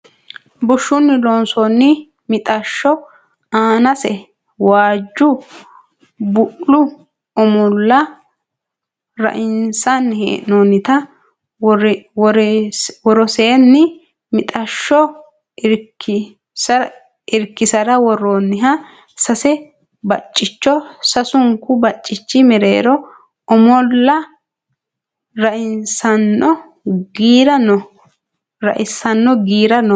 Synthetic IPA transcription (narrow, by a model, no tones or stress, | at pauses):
bʊʃːʊnːɪloːnsɔnːɪ | mɪt̪ʼɐʃːɔ | aːnɐsɛ | waːd͡ʒːʊ | bʊʔlʊ | ɔmʊlːɐ | ɾɐ̰ʔɪnsanːhḛːnonːɪt̪ɐ | ɾwɔɾɔseːnːɪ | mɪt̪ʼɐʃːɔ | ɪɾkːɪ | sɐ | ɪɾkːɪsɐɾɐwɔronːɪɦɐ | sɐsɛ | bɐt͡ʃʼːɪt͡ʃːɔsɐsʊŋkʊbɐt͡ʃʼːɪt͡ʃːɪmɛɾḛːɾɔ | ɔmɔlːɐ | ɾɐʔɪnsɐnːɔ | ɡiːɾɐnɔ | ɾɐ̰ʔɪsɐnːɔɡiːɾɐnɔ